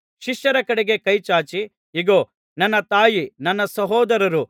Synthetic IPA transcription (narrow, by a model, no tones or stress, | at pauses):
ʃiʃjɐɾɐkɐɽeɡekɐjt͡ʃaːt͡ʃi | iɡoː | nɐnːɐt̪aːjinɐnːɐsɐɦɔːd̪ɐɾɐɾu